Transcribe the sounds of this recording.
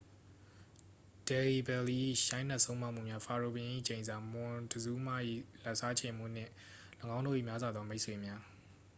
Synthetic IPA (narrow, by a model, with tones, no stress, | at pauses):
d̥ɛ˨li˨bɛ˨li˦ʔḭ˦˨ʃã˦ɪ̃na˦ʔsõ˦ʊ̃ma˦ʔm̥ṵ˦˨mja˦fʰa˨ɹo˨bɪ̃˨ʔḭ˦˨t͡ɕẽ˨ɪ̃nza˨mʊ̃˨dəzu˦ma̰˦˨ʔḭ˦˨la˨ʔsa˦t͡ɕʰẽ˨m̥ṵ˦˨n̥ɪ̰̃˦˨ | lʊ̃˨ŋã˦ʊ̃ndo̰˦˨ʔḭ˦˨mja˦zwa˨d̪ðɔ˦me˦ʔswe˨mja˦